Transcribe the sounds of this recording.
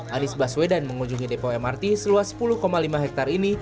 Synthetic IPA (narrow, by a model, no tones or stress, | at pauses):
ʔanisbaswedanməŋuɲd͡ʒuŋidepoɛmart̪isəluasə̥pulʊhkomalimaɦɛk̚t̪arini